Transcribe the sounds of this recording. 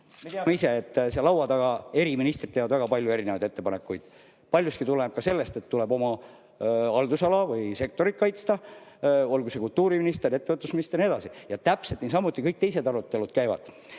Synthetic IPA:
me̞t̪eɑmeise̞et̪ˑːseɑlɑwɑd̪ɑɡ̥ɑe̞ɾiminist̪rit̪ːeːvɑd̪væɡɑpɑlʲjue̞ɾine̞vɑjd̪e̞t̪ːe̞pɑne̞kːˑujd̪̥ | pɑlʲjust̪kit̪uleb̥̚kɑse̞lːe̞st̪e̞t̪ːule̞bo̞mɑ | ɑld̪usɑlɑvɯjse̞k̚t̪o̞ɾit̪̚kɑjt̪st̪ɑ | o̞lɡuse̞kult̪ːuːɾiminist̪eɾe̞t̪ːevɤt̪ːˑusminist̪ernie̞d̪ɑsijɑt̪æpse̞lt̪nisɑmːut̪ːˑikɤjk̚t̪e̞js̬e̞d̪ɑɾut̪ːˑe̞lud̪̥kæjvɑ̰d̪̥

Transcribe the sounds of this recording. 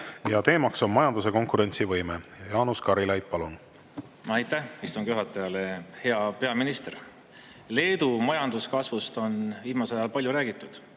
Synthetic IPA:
jɑt̪e̞ːmɑkso̞nmɑjɑnd̪us̬e̞ko̞ŋkuɾe̞nʲt̪sivɤjmejjɑːnuskɑɾilɑjd̪̥̚pɑlun | ɑjt̪ːæhist̪uŋɡ̥juɦɑt̪ːˑɑjɑle̞he̞ɑpe̞ɑminist̪eɾ | le̞ːd̪̥umɑjɑnd̪̥uskɑsvust̪o̞nviːmɑselɑjɑlpɑlʲjuɾæːɡ̥it̪ːˑud̪̥

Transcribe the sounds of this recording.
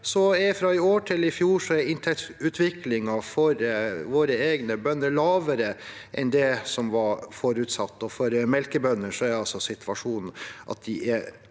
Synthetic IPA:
sɔɛfɾɑɪoːʈʰɪlɪfjuːʂɔæɾɪnt̪ʰɛkt̪ʉːt̪ʰʋɪklɪŋɑfɔɾʋoːɾəeːɡnəbœnːəɾlɑːʋəɾə | ʔɛ̰nd̪ɛsɔmʋɑɾfɔɾʉt̪sɑt̪ːɔfɔɾmɛlkəbœnːənʂɔæɾɑlsɔsɪt̪ʰʋɑʂuːnn̩ʔɑ̰t̪̚d̪ɪʔɛ

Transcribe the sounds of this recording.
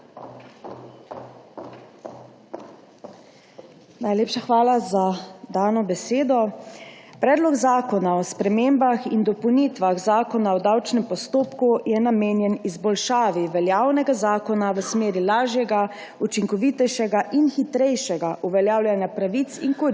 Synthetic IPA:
najleːpʃaxʋaːlazad̪aːnɔbɛseːd̪ɔ | pɾɛːd̪lɔɡzaːkɔnaɔspɾɛmeːmbaxind̪ɔpɔwnit̪ʋaɣzaːkɔnaɔd̪awt͡ʃnɛmpɔst̪oːpkujɛnameːnjɛnizbɔlʃaːʋiʋɛljaːwnɛɡazaːkɔnaʋəsmeːɾilaːʒjɛɡa | ut͡ʃiŋkɔʋit̪ɛjʃɛɡaʔinxit̪ɾɛjʃɛɡaʔuʋɛljaːwljanjapɾaʋit̪siŋkɔɾ

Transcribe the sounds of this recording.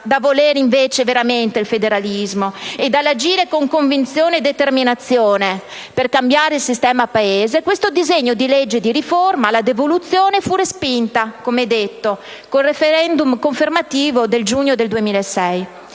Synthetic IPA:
d̪avoleːɾiɱveːt͡ʃeveɾament̪eilfed̪eɾalizmoed̪alːad͡ʒiːɾekoŋkoɱvint̪sjoːned̪ːet̪erminat̪sːjoːne | perkambjaːɾeilsist̪ɛːmapaeːzekwest̪od̪izeɲːod̪iled͡ʒːed̪iɾiformalad̪evolut̪sjoːnefurespint̪akomɛd̪et̪ːo | kolrefeɾɛnd̪umkoɱfermat̪iːvod̪eld͡ʒuɲːod̪eld̪uemiːlaesɛj

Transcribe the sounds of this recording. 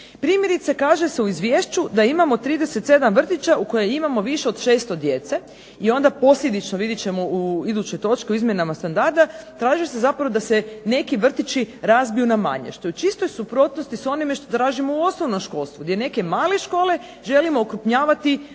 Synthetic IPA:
pɾiːmje̞ɾit̪se̞kaːʒeseuizʋjeːʃt͡ʃud̪aimamo̞t̪ɾiːd̪eset̪se̞d̪amʋr̩t̪it͡ʃauko̞jejimamo̞ʋiʃe̞od̪ʃe̞ːst̪o̞d̪je̞t̪se̞ | io̞nd̪apo̞slʲʎe̞d̪it͡ʃnoʋid̪it͡ʃe̞mouid̪ut͡ʃo̞jt̪o̞t͡ʃkeuizmjenamast̪and̪aɾd̪at̪ɾaːʒise̞zapɾaʋo̞d̪asene̞kiʋr̩t̪it͡ʃiɾazbijunama̰ɲḛʃt̪ojut͡ʃist̪o̞jsupɾo̞t̪nost̪iso̞nime̞ʃt̪o̞t̪ɾaːʒimo̞uo̞snoʋno̞mʃko̞lˠst̪ʋuɡd̪ʲjene̞ke̞maːleʃko̞ːle̞ | ʒe̞limo̞ːkɾupɲaːʋat̪i

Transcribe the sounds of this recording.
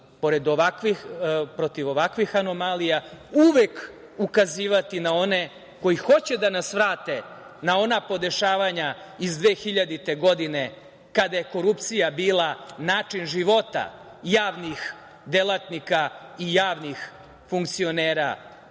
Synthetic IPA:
po̞ɾe̞d̪oʋakʋixpɾo̞t̪iʋo̞ʋakʋixano̞malijauʋek | ukaziːʋat̪inao̞ne | ko̞jixo̞t͡ɕed̪anasʋɾaːt̪e | nao̞napo̞d̪e̞ʃaːʋaɲa | izd̪ʋeːxiʎad̪it̪e̞ɡo̞d̪ine | kad̪ajeko̞ɾupt̪sijabiːlˠanaːt͡ʂinʒiʋo̞t̪a̰ | jaːʋnix | d̪elˠat̪nikaijaːʋnix | fuŋkt̪sio̞neːɾa̰

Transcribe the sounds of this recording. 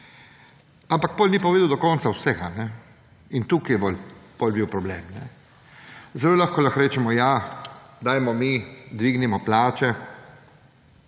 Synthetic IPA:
ampak̚poːlʲnipɔʋeːd̪ɐwd̪ɔkɔːnsawsɛɡanɛ | int̪ukijɛbolpolbiwpɾɔbleːmnɛ̰ | zɛloːlaxkɔlaxɾeːt͡ʃɛmɔjad̪aːjmɔmid̪ʋiːɡnimɔplaːt͡ʃɛ

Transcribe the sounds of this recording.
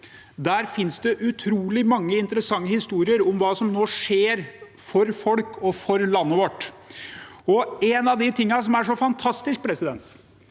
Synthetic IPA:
d̪æːɾfɪnsd̪ɛʔʉt̪ʰɾuːlɪmɑŋːəɪnt̪əɾəsɑŋːəhɪst̪uːɾɪəɾʊmʋɑːsɔmnoːʂeːɾ | fɔɾfɔlkɔfɔɾlɑnːəʋɔʈː | ɔɛnɑʋd̪ɪt̪ʰɪŋːɑsɔmæʂɔfɑnt̪ʰɑst̪ɪsk̚pʰɾɛsɪd̪ɛnt̪

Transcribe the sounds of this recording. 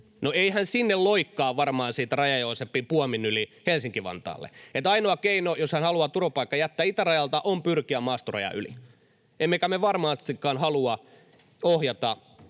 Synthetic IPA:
noeihænsinːelloikːɑːʋɑrmɑːnsiːt̪rɑjɑjoːsepːipuɑminylihelsiŋkiʋɑ̰nt̪ɑ̰ːlːḛet̪ɑinoɑkeinojoshænhɑluɑt̪uropɑikːɑjæt̪ːæːit̪ærɑjɑlt̪ɑʔompyrkiæmɑːst̪orɑ̰jɑ̰y̰lḭ | ʔemːekæmeʋɑrmɑːst̪ikːɑːnhɑluɑ | ohjɑt̪ɑ

